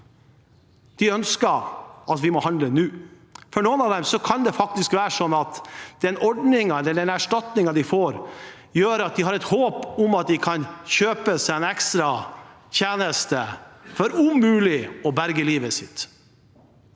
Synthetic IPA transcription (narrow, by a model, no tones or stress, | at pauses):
d̪̥ɪœnskəɾʔɑt̪ʋɪmɔhɑnd̪lənʉː | fɔɳuːənɑːʋd̪ɛmsɔkʰɑnd̪ɛfɑk̚t̪ɪskʋæːɾəʂɔnːɑt̪d̪̥ɛnɔɖnɪŋɑɛlːəɖɛnæʂʈɑt̪nɪŋɑd̪ɪfoːɾ | jøːɾɑt̪̚d̪ɪɦɑɾɛt̪hoːpʊmɑt̪̚d̪ɪkʰɑnçøːpəsɛnɛkst̪ɾɑ | çeːnəst̪əfɔɾʉmʉːlɪɔbæɾɡəliːʋəsɪ̰t̪